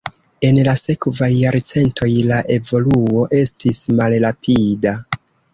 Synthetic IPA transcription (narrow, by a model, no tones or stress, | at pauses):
e̞nlase̞kvajːaɾt͡se̞ntʰo̞jlaʔe̞vo̞luo̞ʔe̞stismalɾapʰida